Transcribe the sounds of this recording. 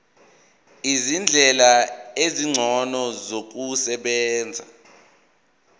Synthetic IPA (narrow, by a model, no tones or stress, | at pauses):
izind͡ɮʱɛlaeziŋ͡ǀʱɔnɔzok̬usɛɓɛːnd͡zʱa̰